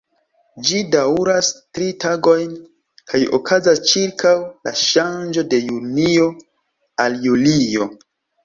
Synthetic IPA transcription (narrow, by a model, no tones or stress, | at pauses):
d͡ʒidauɾastɾitaɡo̞jn | kʰajo̰kʰazast͡ʃiɾkʰawla̰ʃand͡ʒo̞de̞junio̞ | aljulio̞